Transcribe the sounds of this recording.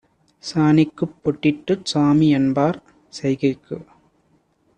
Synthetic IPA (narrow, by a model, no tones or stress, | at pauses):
saːnɪkːɯpːɔʈːɪʈːɯsaːmiɛnbaːɾ | sɛjɣɐkːɯ